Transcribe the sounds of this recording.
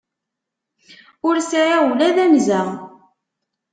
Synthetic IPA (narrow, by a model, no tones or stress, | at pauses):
ʊɾsaʕawulæðæmzæ